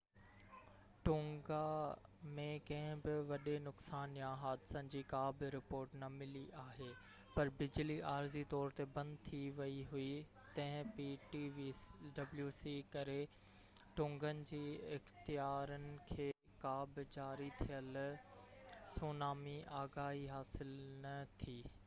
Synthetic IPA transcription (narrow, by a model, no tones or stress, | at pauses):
ʈʊ̃ːŋɡamẽkɐ̃ɦɪ̃bɪʋɐɗenʊksaːnjãɦaːd̪ɪsənd͡ʑiːkaːbɾɪpoːɾʈnɐmɪliʔaːɦeː | pɐɾbɪd͡ʑliʔaːɾzit̪ɔːɾt̪ebɐ̃nd̪t̪ʰiʋɐiɦui | t̪ɐ̃ɦɪ̃piːʈiʋiɖɐbljuːsikɐɾe | ʈʊ̃ːŋɡənɪ̆d͡ʑiːɪxt̪ijaːɾənɪ̆kʰeː | kaːbd͡ʑaːɾit̪ʰijəl | suːnaːmiʔaːɡaːɦiɦaːsɪlnɐt̪ʰiː